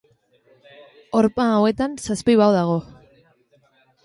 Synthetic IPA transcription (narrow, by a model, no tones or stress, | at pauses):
oɾpaːwe̞t̪ansaspiβawðaɣ̞o̞